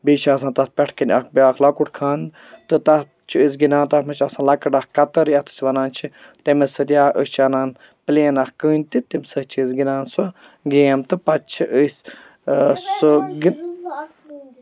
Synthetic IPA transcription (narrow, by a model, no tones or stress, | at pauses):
biːt͡ʃʰasãːnt̪ɐt̪̚pʲɛʈʰkɐnʲakbiaːklɐkuʈʰkʰaːn | t̪ɨt̪ɐ | t͡ʃʰiəs̬ɡinaːnt̪ɐt̪mɐt͡ʃʰasãːlɐkɐɖakkɐt̪ɐɾjɐt̪ʰɨ̥sʲʋɐnaːnt͡ʃʰi | t̪imesɨd̪ʲjaːʔəst͡ʃʰɐnaːn | pleːnaxkəːnʲt̪it̪imsɨt͡ʃʰisɡinaːnso | ɡeːmt̪ɨpɐtt͡ʃʰiʔəs | ɡi